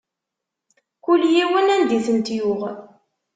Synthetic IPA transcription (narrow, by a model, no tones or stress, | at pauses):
kulːjiwənænd̪iθənt̪jʊʁ